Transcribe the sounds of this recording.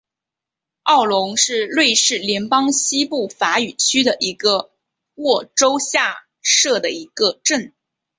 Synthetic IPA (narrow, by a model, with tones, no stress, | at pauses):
ɑ˥˩ʊlʊ˧˥ŋʂɻ̩˥˧lwe˥˧ɪʂɻ̩˥˩ljɛ˧˥npɑ˥ŋɕi˥pu˥˩fa˧˥y˨˩t͡ɕʰy˥d̪ə˨ʔi˧˥ɡə˧ | wɔ˥˩ʈ͡ʂo˥ʊɕja˥˧ | ʂɤ˥˩d̪ə˩i˧˥ɡə˧ʈ͡ʂə˥˩n